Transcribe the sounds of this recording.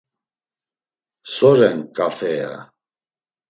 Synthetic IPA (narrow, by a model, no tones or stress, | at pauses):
sɔɾɛnkʼafɛja̰